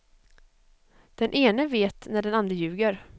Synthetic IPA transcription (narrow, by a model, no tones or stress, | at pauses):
d̪̥ɛnʔeːnəveːt̪næɖɛnand̪ɾəjʉ̟ːɡəɾ